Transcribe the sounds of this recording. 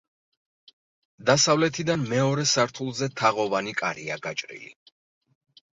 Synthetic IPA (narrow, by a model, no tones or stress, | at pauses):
d̪asavlɛt̪ʰid̪anmɛɔɾɛsaɾt̪ʰulˠzɛt̪ʰaʁɔvanikʼaɾiaɡat͡ʃʼɾḭlḭ